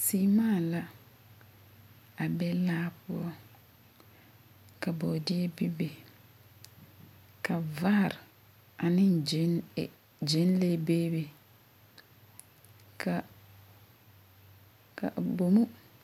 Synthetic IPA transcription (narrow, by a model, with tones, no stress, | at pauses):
siː˦maː˦˨la˦ | a˨bɛ˦laː˦pʊ˦ɔ˦ | ka˨bɔ˨dɪ˦ɛ˦bi˦be˨ | kʰa˨va˦˨ɾ | a˨nɪ˦n˨˦˨ | d͡ʒe˨˦nle˦beː˦be˨ | ka˨ | ka̰˨bo˨mu˦